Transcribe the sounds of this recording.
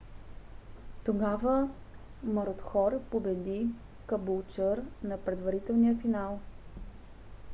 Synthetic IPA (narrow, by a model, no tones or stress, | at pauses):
t̪oɡavə | məɾot̪xɔɾpobɛd̪i | kəbulˠt͡ʃəɾnɐpɾɛd̪vɐɾit̪ɛlˠnijəfinalˠ